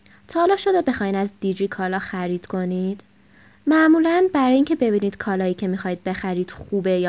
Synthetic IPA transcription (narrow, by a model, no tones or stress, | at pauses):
t̪ʰɒːlɒːʃod̪ɒbe̞xɒjnæzd̪id͡ʒikʰɒːlɒxæɾiːd̪̥kʰo̞niːd̪̥ | mæʔmuːlænbæɾɒːjiːŋcʰe̞be̞biːniːd̪̥kʰɒːlɒːjiːcʰe̞mixɒːjd̪̚be̞xæɾiːd̪̥xuːbejɒː